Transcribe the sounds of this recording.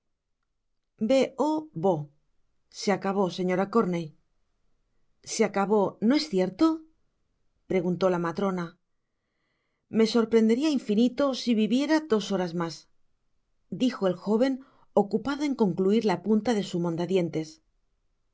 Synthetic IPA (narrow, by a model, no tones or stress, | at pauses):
be̞ʔoβo̞ | seakaβo̞se̞ɲo̞ɾako̞ɾne̞j | seakaβo̞no̞e̞sθje̞ɾt̪o̞ | pɾe̞ɣunt̪o̞lamat̪ɾo̞na | me̞so̞ɾpɾe̞nd̪e̞ɾiaiɱfinit̪o̞siβiβje̞ɾaðo̞so̞ɾazmas | d̪ixo̞e̞lxo̞β̞e̞n | o̞kupaðo̞e̞ŋko̞ŋkluiɾlapunt̪aðe̞sumõ̞nd̪aðje̞nt̪e̞s